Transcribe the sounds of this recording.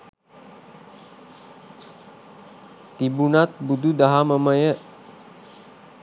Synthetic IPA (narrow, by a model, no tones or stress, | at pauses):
t̪ibunat̪̚bud̪ud̪aɦaməməjə